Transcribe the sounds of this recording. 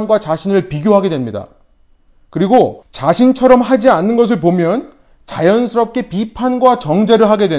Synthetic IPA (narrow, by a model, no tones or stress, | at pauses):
nɡwat͡ɕaɕʰinɯɭpiɡjoɦaɡedwe̞mɲida̰ | kɯɾiɡot͡ɕaɕʰint͡ɕʰʌɾʌmɦad͡ʑianːɯnɡʌs̬ʰɯɭp̬omjʌn | t͡ɕajʌnsʰɯɾʌp̚k͈e̞pipʰanɡwat͡ɕʌŋd͡ʑe̞ɾɯɭɦaɡe̞dwe